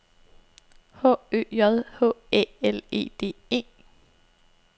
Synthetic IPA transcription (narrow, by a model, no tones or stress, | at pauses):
hɔ̰ːø̰ːjɒðˠhɔ̰̽ːḛːele̝̰ːd̥e̝̰ːe̝̰ː